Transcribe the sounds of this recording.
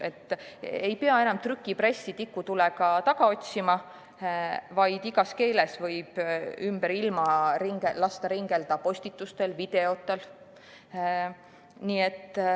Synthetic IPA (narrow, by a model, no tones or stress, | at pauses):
e̞t̪ːˑe̞jpe̞ɑenɑmt̪rykːˑipre̞sːit̪ikːut̪uleɡ̥ɑt̪ɑɡ̥ɑo̞t̪ʲsimɑ | vɑjd̪̥iɡ̥ɑske̞ːle̞svɤ̞jb̥ymb̥eɾilmɑɾiŋɡelɑst̪ɑɾiŋɡ̥e̞ld̪̥ɑpo̞sʲt̪it̪ːˑust̪e̞lvid̪̥e̞o̞t̪ːˑe̞l | niːe̞t̪ːˑ